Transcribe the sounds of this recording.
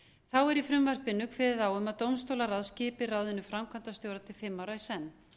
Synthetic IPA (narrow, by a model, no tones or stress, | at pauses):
θawɛɾifɾʏmvar̥pɪnːʏkʰvɛðɪðaːwʏmaðt̪owmst̪owlaɾaðscɪːpɪrawðɪnʏfɾamkʰant̪ast̪joːwɾat̪ʰɪlfɪmːaːwɾaisɛnː